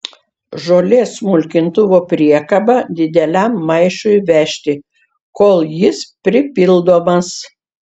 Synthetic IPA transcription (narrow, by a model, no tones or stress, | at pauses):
ʒoːlʲeːsmʊlʲkʲɪnt̪ʊʋopʲɾʲiɛkɐbɐd̪ʲɪd̪ʲɛlʲæˑmːɐɪʃʊɪʋʲæʃʲt̪ʲɪ | koːlˠjɪspʲɾʲɪpʲɪlˠd̪oːmɐs